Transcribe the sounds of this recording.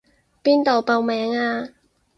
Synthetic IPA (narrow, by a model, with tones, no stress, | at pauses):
piː˥nt̪o˨˩wpa˧wmɛː˨˥ŋaː˧